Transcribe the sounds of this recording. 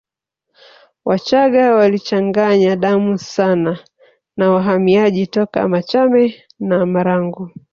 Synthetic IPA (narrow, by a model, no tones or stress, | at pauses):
wat͡ʃaɠawalit͡ʃaŋɡaɲaɗamusana | nawaɦamiaʄitɔka̰mat͡ʃamɛ | namaɾaŋɡu